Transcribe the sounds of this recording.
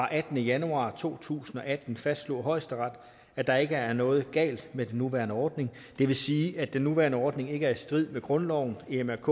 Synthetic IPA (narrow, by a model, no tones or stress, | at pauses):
ɑ̈ʔæd̥n̩əjænuɑ̰̈ːt͡sʰo̝̰ːt͡sʰṵːsn̩ɒ̽ʔæd̥n̩fæsd̥slo̝ːɦɒ̽ɪ̰sd̥əʁɑ̈d̥ | æd̥ɑ̈e̝ɡ̥əæɐnɔ̽ːð̞̩ˠɡ̥ɛ̰ːld̥med̥enːuʋæɐnəɒːd̥ne̝ŋ | d̥e̝ʋe̝siːæd̥enːuʋæɐnəɒːd̥ne̝ŋe̝ɡ̥əæɐisd̥ʁið̰ˠmeɡ̥ʁɔ̽nlɒʊ̰n̩eemæɐkʰɔ̰